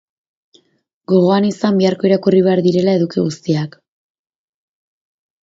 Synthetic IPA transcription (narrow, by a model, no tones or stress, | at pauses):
ɡo̞ɣ̞o̞anisambiaɾko̞iɾakuriβ̞e̞aɾðiɾe̞lae̞ðukiɣust̪iak